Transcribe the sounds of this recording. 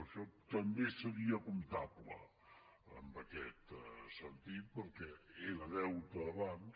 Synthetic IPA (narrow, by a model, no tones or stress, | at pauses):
əʃɔt̪əmbesəɾiəkumt̪ablə̰ | ə̰mbəkɛt̪sənt̪it̪̚pəɾkɛeləðɛwt̪əəβan